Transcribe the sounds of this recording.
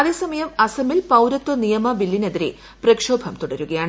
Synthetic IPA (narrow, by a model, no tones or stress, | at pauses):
ɐðeːsɐmɐjɐmɐsɐmilpɐwɾɐt̪ːunijɐmɐbilːineðiɾḛ | prɐkʂo̞ːbʱɐmt̪uɽɐɾuɣɐjaːɳɨ